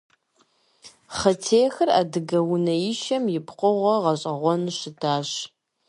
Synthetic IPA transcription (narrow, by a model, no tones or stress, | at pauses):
χɐtʰeːxɨra̰ːdɨɡɐwʊnɐjɪʃɐmjɪpʰqʷʼʊʁʷɐʁɐɕʼɐʁʷɔnɕɪdaːɕ